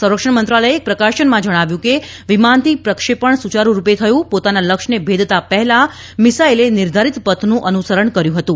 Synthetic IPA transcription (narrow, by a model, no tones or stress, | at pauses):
sə̃wɾəkʂəɳmənt̪ɾaləjeːk̚pɾəkaʃənmãd͡ʒəɽ̃aʋjũke | ʋimant̪ipɾəkʂepəɳsut͡ʃaɾũɾupet̪ʰəjũpot̪analəkʂnebʱed̪ʱt̪apɛɦɛla | mɪsailenɪɾd̪ʱaɾit̪pət̪ʰnũʔənusəɾəɳkəɾjũɦət̪ũ